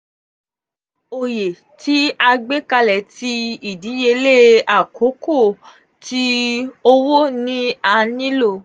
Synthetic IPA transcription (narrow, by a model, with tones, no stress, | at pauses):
o˨je˨ | ti˨˦a˧ɡ͡be˦ka˧lɛ˨ti˦i˦˨di˨˦je˧le˦a˨ko˨˦ko˦˨ | ti˦o˧wo˦nĩ˦a˧nĩ˦lo˧˨